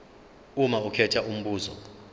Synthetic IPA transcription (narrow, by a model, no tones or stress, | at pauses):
umaukʰɛtʰaʔum̩ɓuːzɔ̰